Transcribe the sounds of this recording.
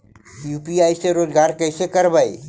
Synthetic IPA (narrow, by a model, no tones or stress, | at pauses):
juːpiaːiseɾoːd͡ʒɡaːɾkəɪsekəɾbaːḭ